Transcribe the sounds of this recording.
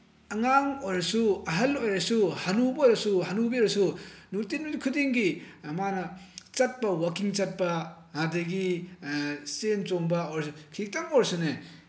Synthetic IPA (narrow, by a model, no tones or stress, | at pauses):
ɐŋaŋojɾɐsuɐɦɐlojɾɐsuhanubɐojɾɐsuhanubiɾɐsunutinukʰudiŋɡimanɐt͡ʃɐt̚pɐwakiŋt͡ʃɐt̚pɐ | hadeɡi | sent͡ʃoŋbɐojɾsukʰik̚taŋoɾsune